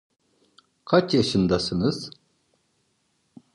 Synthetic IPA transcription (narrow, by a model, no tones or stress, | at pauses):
kʰat͡ʃjaʃɯnd̪asɯnɯz̥